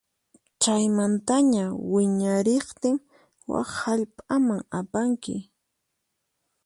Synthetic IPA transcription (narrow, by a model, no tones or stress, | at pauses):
t͡ʃajmant̪aɲawɪɲaɾeχt̪ɪŋ | wa̰χhaʎpʼamaŋapaŋkɪ̰